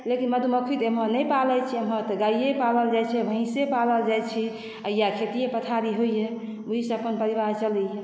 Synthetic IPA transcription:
lekinməd̪uməkʰit̪emɦɔ̃nəjpalɛt͡ʃʰiəmɦɔ̃t̪əɡaijepaləld͡ʒajt͡ʃʰɛbʱəɦĩsepaləld͡ʒajt͡ʃʰi | əijakʰet̪iepət̪ʰaɾiɦoije | oiseəpənpəɾibaɦt͡ʃələje

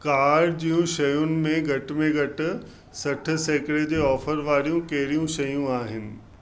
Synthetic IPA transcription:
kaːɾɾd͡ʑiːũʃɐjʊnɪ̆mẽɡʱɐʈ̆mẽɡʱɐʈɪ̆ | sɐʈʰɪ̆seːkɽed͡ʑeːɔːfəɾʋaːɾijũkɐɦɪɾijũʃɐjũaːɦɪnɪ̆

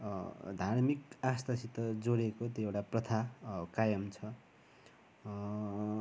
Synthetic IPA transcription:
d̪ʱarmikast̪asit̪ʌd͡zoɽekot̪joewʈaprʌt̪ʰakajʌmt͡sʰʌ

